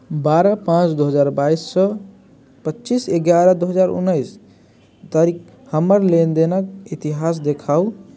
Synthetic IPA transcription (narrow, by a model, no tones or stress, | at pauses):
baɾəpãt͡ʃd̪oɦəd͡ʒaɾbaisːə | pətːt͡ʃiseɡjaɾəd̪oɦəd͡ʒaɾṵnːəɪs | t̪aɾik | həməɾlend̪enəkit̪iɦas̬d̪ekʰau